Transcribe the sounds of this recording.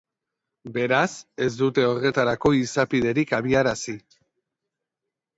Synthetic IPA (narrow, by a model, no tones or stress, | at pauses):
be̞ɾase̞zd̪ut̪e̞o̞re̞t̪aɾako̞isapiðe̞ɾikaβ̞iaɾasi